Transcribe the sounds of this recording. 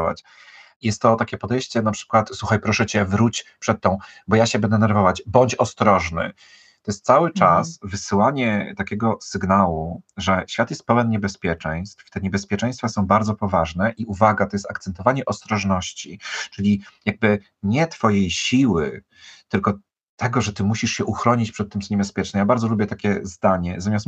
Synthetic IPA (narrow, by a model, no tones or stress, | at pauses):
va̰t͡ɕ | jɛst̪ːɔt̪akʲɛpɔd̪ɛjɕt͡ɕɛnapʂɘ̥kwat̪swuxajpɾɔʂɛt͡ɕɛvɾut͡ɕpʂɛt̪ːɔ̃w̃bɔjaɕɛbɛnd̪ɛnɛɾvɔvad͡ʑbɔɲt͡ɕɔst̪ɾɔʐnɘ̰ | t̪ɔjɛst̪̚sawɘt͡ʂasvɘsɘwaɲɛt̪akʲɛɡɔsɘɡnawuʐɛɕfʲjat̪jɛst̪̚pɛwɛnɲɛbɛspʲjɛt͡ʂɛ̃j̃st̪ft̪ɛɲɛbɛspʲjɛt͡ʂɛ̃j̃st̪fasɔ̃w̃baɾd̪zɔpɔvaʐnɛʔiʔuvaɡat̪ɔjɛst̪ak̚t̪sɛnt̪ɔvaɲɛʔɔst̪ɾɔʐnɔɕt͡ɕit͡ʂɘlʲijaɡ̚bɘ | ɲɛt̪fɔjejɕiwɘ̰ | t̪ɘlkɔ | t̪ɛɡɔʐɛt̪ɘmuɕiʂɕɛʔuxɾɔɲit͡ɕpʂɛt̪ːɘmt̪sɔɲɛbɛspʲjɛt͡ʂnɛjabaɾd̪zɔlubʲjɛt̪akʲɛzd̪aɲɛzamʲjast̪